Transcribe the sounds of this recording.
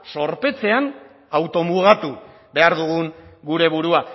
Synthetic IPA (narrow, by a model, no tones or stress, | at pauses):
so̞ɾpe̞t͡se̞an | awt̪o̞muɣ̞at̪u | be̞aɾðuɣ̞uŋɡuɾe̞βuɾua